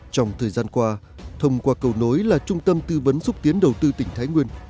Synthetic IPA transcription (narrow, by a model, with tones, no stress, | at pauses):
t͡ɕɔ˧wŋ͡mt̪ʰəː˨˩jzaː˧nkwaː˧ | t̪ʰə˧wŋ͡mkwaː˧kə˨˩wno˨˦jlaː˨˩t͡ɕʊ˧ŋ͡mt̪ə˧mt̪ɨ˧və˨˦nsʊ˦˥k͡p̚t̪i˨˦ənɗə˨˩wt̪ɨ˧t̪ï˧˩ŋ̟t̪ʰaː˨˦jŋwi˧ən